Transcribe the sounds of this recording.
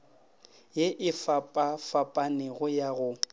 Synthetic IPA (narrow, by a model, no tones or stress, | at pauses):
jeʔɪfapʼafapʼanɪɣʊjaɣʊ